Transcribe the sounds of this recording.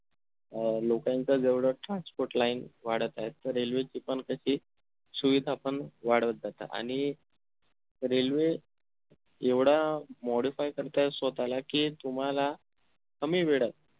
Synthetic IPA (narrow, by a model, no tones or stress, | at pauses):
lokãnt͡səd͡zeʋɽəʈɾãnspoɾʈlainʋaɽət̪ajett̪ːəɾːelʋet͡ɕipəɳkəɕiː | suʋid̪ʱaːpəɳʋaɽ̤ʋət̪̚d͡zat̪a̰ʔa̰ɽ̃i | ɾelʋe | eʋɽamɔɽifajkəɾt̪asot̪alakiːt̪um̤ala | həmiːʋeɽət̪̚